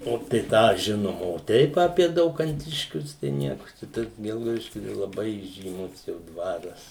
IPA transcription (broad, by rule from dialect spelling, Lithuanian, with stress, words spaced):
ˈoː tɐɪ ˈtɑː ˈʒʲɪnoːm oː ˈtʲɛɪp ɐpʲiɛ dɐʊkɐnʲˈtʲɪʃʲkʲʊs tɐɪ ˈnʲiɛkʊ t͡ʃʲɛ ˈtɐs ˈɡʲɛlˠɡɐʊdʲɪʃʲkʲʊ tɐɪ lˠɐˈbɐɪ iːʒʲiːˈmʊs jɛʊ ˈdʋɑːrɐs